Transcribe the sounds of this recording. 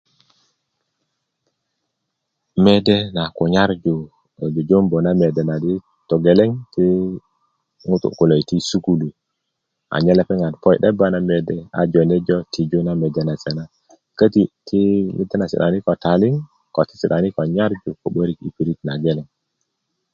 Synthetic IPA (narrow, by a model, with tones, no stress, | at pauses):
me˦de˦na˨ko˨ɲa˦ɾd͡ʒu˨ | d͡ʒo˨d͡ʒo˦mbo˨na˦me˨de˨na˨di˦ | to˨ɡe˨le˦ŋti˦ | ŋu˦tṵ˨ku˨lo˨jti˦su˦ku˦lu˨ | a̰˨ɲe˦le˦pe˦ŋa˨npo˦jɗe˦ba˦na˦me˨de˨a̰˨d͡ʒo˨ne˦d͡ʒo˦ti˨d͡ʒo˦na˦me˨de˦na˨se˨na˦ | kə˦ti˨tʰi˦mḭ˦tːe˦na˨sḭ˨ɗa˨ni˦ko˨ta˨li˦ŋ | ko˨ti̥˦si˨ɗa˨ni˦ko˨ɲa˦ɾd͡ʒu˨ko˨ɓo˦ɾi˦kḭ˦˨pi˨ɾi˦tna˨ɡe˦le˨ŋ